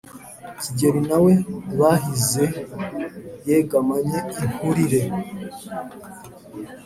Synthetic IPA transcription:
ciɟe̞ɾinawe̞dβaɦize | jeɡamaɲeinhuɾiɾe̞

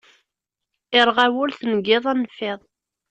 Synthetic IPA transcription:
ɪɾˤʁæwʊlθnɡɪðˤænəfeðˤ

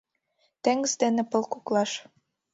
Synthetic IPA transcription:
t̪eŋɡəzd̪enĕpɤ̆lkuklɑʃ

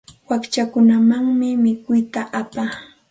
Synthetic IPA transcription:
wakt͡ʃakʊnamaŋmɪmɪkʊjt̪aʔapa

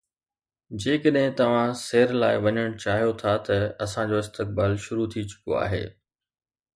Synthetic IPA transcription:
d͡ʑeːkəɗɦɪ̃t̪ɐʋ̤ãseːɾlaːɪʋɐɲəɽ̃t͡ɕaːɦijot̪ʰat̪ɐɐsãd͡ʑoːɪst̪ɪk̚baːlʃʊɾut̪ʰit͡ɕʊ̥ko̰a̰ːɦḛː

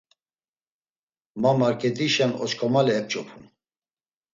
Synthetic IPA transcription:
mamaɾkʰʼɛd̪iʃɛnɔ̰t͡ʃkʰɔmalɛɛp̚t͡ʃʼɔpʰum

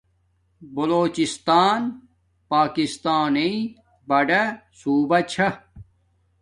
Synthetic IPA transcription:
bɐloːt͡ɕist̪aːn | paːkist̪aːni | bɐɖesuːbɐt͡ɕʰɐ

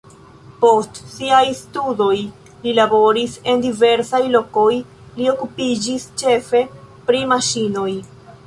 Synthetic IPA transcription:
po̞stsiajstudo̞j | lilabo̞ɾise̞ndive̞ɾsajlo̞ko̞j | lio̞kupid͡ʒist͡ʃe̞fe̞ | pɾimaʃino̞j

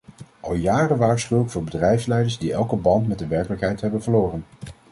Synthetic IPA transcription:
ʔɑlˠjaːrənʋaːɹsχywləkfʊːɹbədrɛjfslɛjdəɹzdiɛlˠkəbɑntmɛtdəʋɛɹkələkɦɛjtɦɛbənvəɹloːrən

